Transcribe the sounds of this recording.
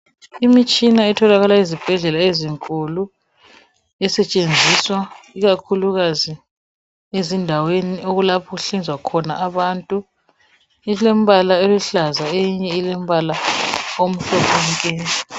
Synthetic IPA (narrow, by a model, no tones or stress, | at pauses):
imit͡ʃʼinaɛtʰɔlaɣalaizib̥ʱɛɮɛlaeziŋkʼulu | ɛsɛt͡ʃʼend͡zʱiswaiɣakʰuluɣazi | ezindʱawenioɣulapʰɔɣuɬind͡zʱwakʰɔna̰ʔːβantʼu | ilem̩βalaeluɬazaejiɲɛilɛm̩βalaom̩ɬɔkɔŋkʼɛː